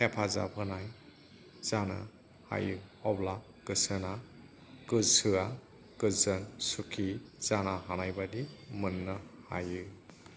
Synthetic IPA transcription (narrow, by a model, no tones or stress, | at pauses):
hepʰaza̰bʰɯnaj | z̥ana̰ | ha̰jɯɔbla | kɯsɯna | kɯsɯa | kɯzɯnsukʰiz̥anaɦanajbadimɯnːɯha̰jɯ